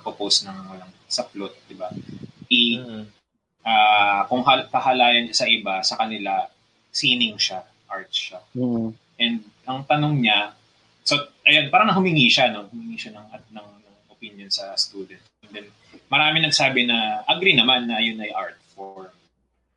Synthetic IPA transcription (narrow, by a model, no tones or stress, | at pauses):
poposnɐŋɐlɐŋ | sɐplot̪̚d̪ɪbaʔɪ | ʔaːkʊŋɦapɐhɐlaːjɐnɐsɐʔɪbasɐkɐnɪla | siːnɪŋʃa | ʔaɹt̪̚ʃa | ʔɛnd̪̚ʔɐŋt̪ɐnoŋɲɐ | soʔɐjo̞npaːɾɐŋɐɦhʊmɪŋiʃano̞hʊmɪŋiːʃɐnɐŋʔat̪nɐŋnɐŋʔopɪnjonsɐst̪uːd̪ɛnt̪̚ɛnd̪ɛn | mɐɾaːmɪnɐɡ̚saːbɪnɐʔɐɡɾinɐmanːɐɐjonɐjʔaɹt̪̚foɹm